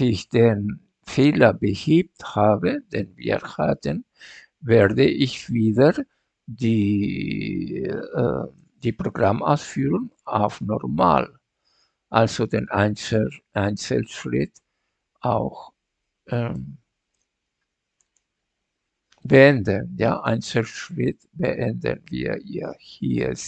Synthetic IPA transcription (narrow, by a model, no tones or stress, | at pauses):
ɪçd̥eːn | feːlɐbəhiːp̚thaːbədenvḭːɾhatən | vɛːɐdəʔɪçv̥iːdə | diː | d̥iːpʁoɡʁamʔa̰ʊsfyːʁʊŋa̰ʊfnɔ̰ʁma̰ːl | ʔalz̥odeːnʔaɪnʔaɪnt͡səlʃʁɪt | ʔaʊx | ʔɛm | b̥əɛndənja̰ːʔaɪnt͡səlʃʁɪt | b̥ə̰ʔɛndə̰nvḭːɐiːɐhḭː